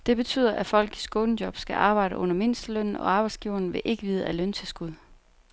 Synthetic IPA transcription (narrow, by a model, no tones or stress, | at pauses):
d̥e̝b̥e̝t͡sʰy̰ð̰ˠɐʔæfɒ̽l̰ɡ̥isɡ̥ɔːn̩djɒ̽b̥sɡ̥æʔɑ̈ːb̥ɑ̈ɪ̰ɾəʔɔ̽n̰ɐme̝n̰sd̥əløn̰n̩ɒ̽ɑ̈ːb̥ɑ̈ɪdsɡ̥iʊ̰ɐn̩ʋe̝ʔe̝ɡ̥əʋiːð̞ˠəælønt͡sʰe̝lsɡ̥uðˠ